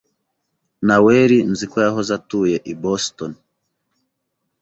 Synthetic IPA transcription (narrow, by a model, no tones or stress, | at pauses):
nawɛɾinzikwɛjaɦɔzatujɛʔibɔstɔn